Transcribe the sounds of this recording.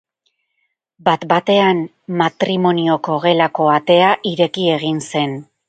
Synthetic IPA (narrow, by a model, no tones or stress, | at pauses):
bat̪bat̪e̞an | mat̪ɾimo̞nio̞ko̞ɣe̞lako̞at̪e̞aʔiɾe̞kie̞ɣinse̞n